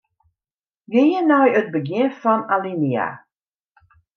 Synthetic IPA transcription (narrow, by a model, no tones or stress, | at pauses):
ɡejənajət̚bəɡɪnfɑnalinia̰